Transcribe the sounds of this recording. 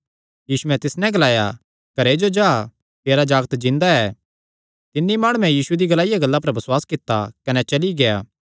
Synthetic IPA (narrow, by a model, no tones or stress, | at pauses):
jiːsumɛ̃t̪ɪsnɛ̃ɡɐlaːja̰ | kɐɾed͡ʒod͡ʒaː | t̪eːɾad͡ʒaːɡt̪d͡ʒɪ̃nd̪aɛː | t̪ɪnːimaːɽ̃uɛ̃jiːsued̪iɡɐlaːɪjaɡɐlːap̬ɐɾbɐswaːskɪt̪ːa̰kɐnɛt͡ʃɐliɡejaː